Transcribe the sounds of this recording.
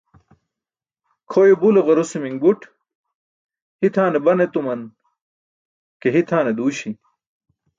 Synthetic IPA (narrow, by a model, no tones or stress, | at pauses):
kʰoːjobuloɣɐɾusemiŋbuʈ | hit̪ʰaːnebɐnet̪umɐn | keɦit̪ʰaːned̪uːɕi